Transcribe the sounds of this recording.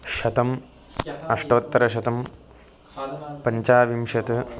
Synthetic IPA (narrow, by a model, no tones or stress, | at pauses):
ʃɐt̪ɐm | ɐʂʈɐːt̪ːɐɾɐʃɐt̪ɐm | pɐɲt͡ʃaːʋimʃɐt̪ɐ